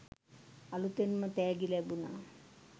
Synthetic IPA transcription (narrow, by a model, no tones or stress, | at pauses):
ɐlut̪enmɐt̪eːɡilebuna̰